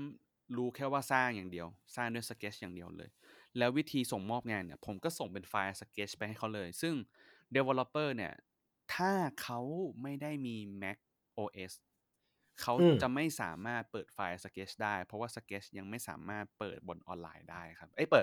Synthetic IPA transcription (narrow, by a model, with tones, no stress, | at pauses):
m | ɾuː˦˥kʰɛː˥˩waː˥˩saː˥˩ŋjaː˨˩ŋdi˧əwsaː˥˩ŋdu˥˩əjsa˧˥keː˦˥t͡ɕ̚jaː˨˩ŋdi˧əwlɤ̰ː˧jlɛː˦˥wi˦˥t̪ʰiː˧so˨˩ŋmɔː˥˩p̚ŋaː˧nːi˦˥˩ɐpʰo˩˦mkɔː˥˩so˨˩ŋpe˧nfaː˧jsa˧keː˦˥t͡ɕʰpa˧jha˥˩jkʰa˦˥wlɤː˧jsɯ˥˩ŋ | de˧we˧lo˦˧˥pːɤː˥˩ni˥˩ɐ | t̪ʰaː˥˩kʰa˦˥wma˥˩jda˥˩jmiː˧mɛ˦˥k̚ | ʔoː˧ʔe˦˥s | kʰa˦˥wt͡ɕa˨˩ma˥˩jsa̰ː˩˦maː˥˩t̪̚pɤː˨˩t̪̚faː˧jsa˧keː˦˥t͡ɕdaː˥˩jpʰɾɔ˦˥waː˥˩sa˧keː˦˥t͡ɕʰja˧ŋma˥˩jsa̰ː˩˦maː˥˩t̪̚pɤː˨˩t̪̚bo˧nʔɔ̰ː˧nla̰ː˧jdaː˥˩jkʰa˦˥p̚ʔa˦˥˩pɤː˨˩t̪̚